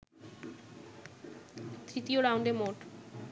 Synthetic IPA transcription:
t̪ɾit̪ioɾaw̃ɳɖemoʈ

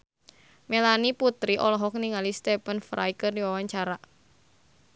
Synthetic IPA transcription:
melaniput̪ɾiʔɔlɔɦɔk̚niŋalist̪epənfɾʔa̰jkərdiwawaɲt͡ʃaɾa

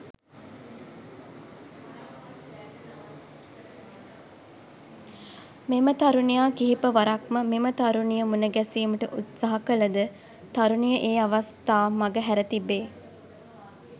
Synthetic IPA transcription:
memət̪aɾunijaːkiɦipəʋaɾakməmemət̪aɾunijəmunəɡæsiːməʈəʔut̪saɦakələd̪ə | t̪aɾunijəʔeːaʋast̪aːmaɡəɦæɾət̪ibːeː

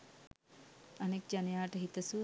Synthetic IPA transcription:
anek̚d͡ʒanejaːʈəɦit̪əsu

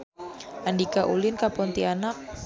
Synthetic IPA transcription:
ʔandikaʔulɪnkapɔnt̪ianak̚

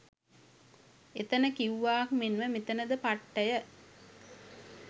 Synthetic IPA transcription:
et̪ənəkiwːaːkmenʋəmit̪ənəd̪əpaʈːəjə

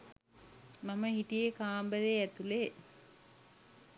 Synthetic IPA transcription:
maməɦiʈijekaːmbəɾeæt̪ule

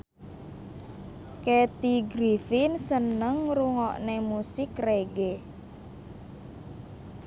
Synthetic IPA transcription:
ket̪iɡɾifɪnsənəŋruŋɔʔnemusɪkreɡe

